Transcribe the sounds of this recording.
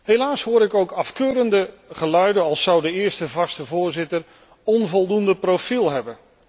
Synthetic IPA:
ɦejlaːsɦʊːɾɪkowkɑfkøːɾəndə | χəlœɥdənɑlˠsʌwdəɪːɹstəvɑstəvʊːɹzɪtər | ɔnvɔlˠdundəprofilˠɦɛbən

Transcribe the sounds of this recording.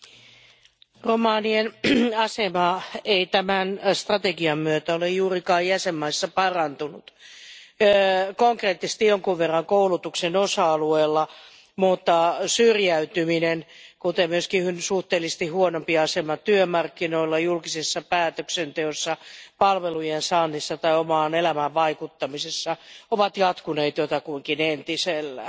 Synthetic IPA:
romɑːnienɑsemɑeit̪æmænst̪rɑt̪eɡiɑmmyøt̪æolejjuːrikɑːjjæsemːɑisːɑpɑrɑnt̪unut̪ː | koŋkreːt̪ːise̥st̪ijoŋkuʋʋerːɑŋkoulut̪uksenosɑɑlueːlːɑ | mut̪ːɑsyrjæyt̪yminenkut̪emmyøskihynsuht̪eːlːˑist̪ihhuonompiɑsemɑt̪yømɑrkːinoilːɑjulkisesːɑpæːt̪øksent̪eosːɑpɑlʋelujensɑnːisːɑt̪ɑiomɑːnelæmæʋʋɑikut̪ːɑmisesːɑoʋɑt̪jɑt̪kuneit̪jot̪ɑkuiŋkinent̪iselːæ

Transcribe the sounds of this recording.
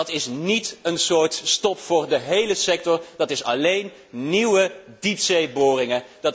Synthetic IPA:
tɪsnitənsʊːɹtstɔpfʊːɹdəɦejləsɛk̚tɔrd̥ɑtɪsɑ̰lejn | niwəditsejbʊːrɪŋədɑ

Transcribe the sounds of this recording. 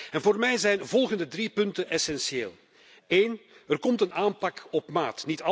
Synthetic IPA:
ɛnvoːrmɛjzɛjnvɔlˠɣəndədripɵntənʔɛsɛnseːl | eːnərkɔmtənaːmpɑkɔpmaːtnitɑ

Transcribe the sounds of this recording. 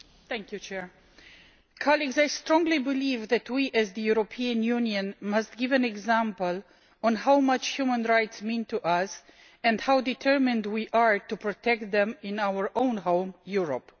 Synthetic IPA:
θɛ̃ŋkjut͡ʃʰɛɹ | kʰɑliɡzajstɹɔ̃ŋɡlibɪlivðɨtwiʔɨzðɨjuɹopʰiɨ̃njũnjɨ̃nmʌst̚ɡ̥ɪvɨ̃nɛɡzæ̃mpəlˠ | ɔ̃nɦawmʌt͡ʃhjumə̃nɹaɪtsmĩntʰuʔʌs | ɛ̃ndhawdɨtʰɜ˞mɨ̃ndwiʔaɹtupɹɔtʰɛk̚t̪̚ðɛ̃mɪ̃nawə˞ʔõʊ̃nɦõʊ̃mjuɹɔp

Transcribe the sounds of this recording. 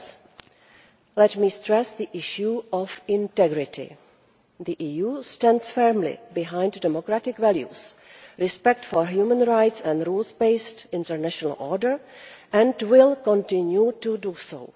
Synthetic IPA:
lɛtmiːstɾɛsðiʔɪʃjuɔfɪ̃ntɛɡɾɪtʰɪ̰ | ðiʔijuːstɛ̃ndsfɛɹmlɪ̰bɪɦãj̃nddɛmokɾatɪkvɛljṵsɾɪspɛk̚tfɔɹɦjumə̃nɹajtsɛ̃ndɾuːlsbeɪstɪ̃ntəɹnæʃɔnə̰lʔɔɹdəɹʔɛ̃ndwɪlkɔ̃ntɪ̃njutuduso̰ʊ

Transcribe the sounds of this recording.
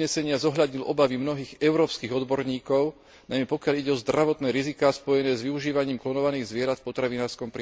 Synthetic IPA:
ɲɛsɛɲɪazɔɦʎad̪ɲilʔɔ̰baʋimnɔɦiːɣɛʊɾɔːpskiːɣɔd̪bɔɾɲiːkɔʊ | najmɛpɔkɪaʎiɟɛɔzd̪ɾaʋɔt̪nɛːɾizikaːspɔjɛnɛːzʋiuʒiːʋaɲiːmklɔnɔʋaniːɣzʋɪɛɾat̪fpɔt̪ɾaʋinaːɾskɔmpɾ

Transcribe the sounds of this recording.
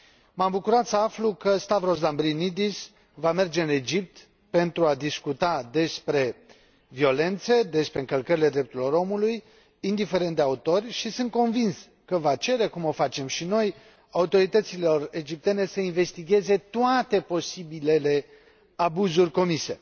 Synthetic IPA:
mambukuɾat̪səaflukəst̪avro̞sd̪ambɾinid̪is | vame̞rd͡ʒe̞ɨne̞d͡ʒip̚t̪ | pe̞nt̪ɾuad̪iskut̪ad̪e̞spɾe̞ | vio̞le̞nt̪se̞d̪e̞spɾeɨŋkəlkəɾile̞d̪ɾe̞p̚t̪uɾilo̞ɾo̞muluj | ind̪ife̞ɾe̞nt̪d̪eaut̪o̞rʲʃisɨnt̪̚ko̞nvins | kəvat͡ʃe̞ɾe̞kumo̞fat͡ʃe̞mʃino̞j | aut̪o̞ɾit̪ət̪silo̞re̞d͡ʒip̚t̪e̞ne̞səinve̞st̪iɡʲe̞ze̞t̪oat̪e̞po̞sibile̞le̞ | abuzurʲko̞mise̞̰

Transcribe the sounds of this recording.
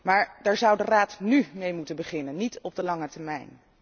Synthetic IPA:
maːɹdɛːɹzʌwdəraːtnymejmutənbəχɪnənːitɔb̚dəlɑŋətɛɹmɛjn

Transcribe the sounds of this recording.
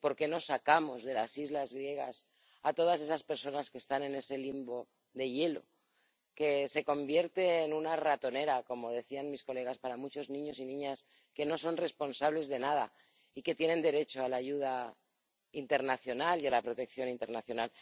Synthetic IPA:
po̞ɾke̞no̞sakamo̞zðe̞lasizlazɣɾje̞ɣ̞a̰s | at̪o̞ð̞as̬e̞saspe̞ɾso̞naske̞st̪ane̞ne̞se̞limbo̞ | ðe̞je̞lo̞̰ | ke̞se̞ko̞mbje̞ɾt̪e̞ːnunarat̪o̞ne̞ɾako̞mo̞ðe̞θianmisko̞le̞ɣ̞aspaɾamut͡ʃo̞znĩɲo̞sinĩɲas | ke̞no̞so̞nre̞spo̞nsaβ̞le̞zðe̞nað̞a̰ | ike̞t̪je̞nẽ̞nd̪e̞ɾe̞t͡ʃo̞alaʝuð̞a | int̪e̞ɾnaθjo̞nalialapɾo̞t̪e̞k̚θjo̞nint̪e̞ɾnaθjo̞nal

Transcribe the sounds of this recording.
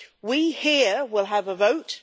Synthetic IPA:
wihiwɪlˠəvəvoʊt

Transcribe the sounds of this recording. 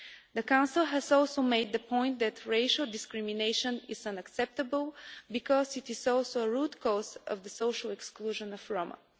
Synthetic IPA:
ðəkãʊ̃nsəlˠɦɛzɔlˠsoʊmeɪd̪̚ðəpʰɔ̃ɪ̃nt̪̚d̪ɨt̪ʰɹeɪʃəlˠd̪ɪskɹɪmineɪʃə̃nɪ̰z̥ə̃nəksɛp̚t̪əbəlˠbikɔzɪt̪ɪzɔlˠsoʊəɹud̪kʰɔzʌ̰vðəsoʊʃəlˠɛkskluʒə̃nəvɹomə̰

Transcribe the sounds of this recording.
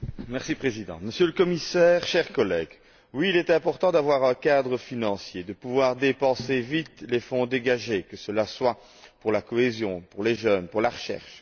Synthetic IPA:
mɛʁsipχezid̪ɑ̰̃məsjøləkɔmisɛːʁʃɛʁkɔlɛɡ | wiːlɛt̪ɛ̃pɔʁt̪ɑ̃d̪avwaʁɛ̃kad̪ʁəfinɑ̃sjed̪əpuvwaʁd̪epɑ̃sevit̪lefɔ̃d̪eɡaʒekəsəlaswa | puʁlakɔezjɔ̃puʁleʒœnpuʁlaʁəʃɛ̰ʁʃ

